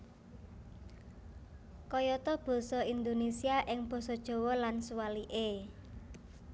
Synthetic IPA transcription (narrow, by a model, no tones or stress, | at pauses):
kɔjɔt̪ɔb̥ɔ̤sɔind̪onesiaʔɪŋb̥ɔ̤sɔd̥ʒ̥o̤wɔlansuwaliʔe